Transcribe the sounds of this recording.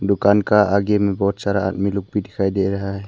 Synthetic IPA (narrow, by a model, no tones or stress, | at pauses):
d̪ukankaʔaɡɛmɛbɔt̪saɾaʔa̰t̪̚miluk̚bidɛkʰajd̪ɛɾaɦa